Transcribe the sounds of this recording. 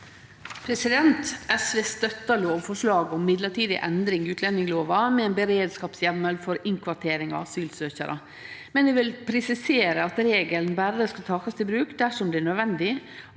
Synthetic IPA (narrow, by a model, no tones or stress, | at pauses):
pʰɾɛsɪd̪ɛnt̪ʔɛsʋeːst̪œt̪ːɑloːʋfɔʂlɑːɡɔmːɪd̪ləʈiːd̪ɪ̰ʔɛnd̪ɾɪŋɪʉːt̪ʰlɛnɪŋloːʋɑmɛɛːnbəɾeːd̪skɑːpsjɛmːəlfɔɾɪŋkʰʋɑʈʰeːɾɪŋɑ̰syːlsøːçəɾʔə̰ | mɛnʋɛʋɪlpʰɾɛsɪseːɾəɑt̪ɾeːɡəlnbæɾəskɑlt̪ʰɑːkɑst̪ʰɪlbɾʉːkd̪æʂɔmd̪ɛɳœd̪ʋɛnd̪ɪ